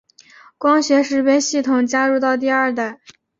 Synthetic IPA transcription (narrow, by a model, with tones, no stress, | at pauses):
kwɑ˥ŋɕɥɛ˧˥ʂɻ̩˧˥pjɛ˥nɕi˥˩t̪ʰʊ˨˩ŋt͡ɕja˥ɻu˥˧t̪ɑ˥˧ʊt̪̬i˥˧ɐ˞˥˧˩t̪a˥˩ɪ